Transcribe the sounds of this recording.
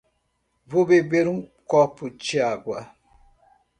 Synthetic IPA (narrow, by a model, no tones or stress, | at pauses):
vobebeɾũkɔput͡ʃiaɡwa